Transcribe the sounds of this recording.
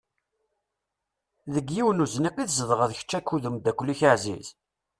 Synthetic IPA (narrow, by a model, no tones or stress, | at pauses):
ðəɡjiwnuzniqiθzəðˤʁəðçə̥t͡ʃːækːuðəmd̪ækʷːəlːiçəʕzḭz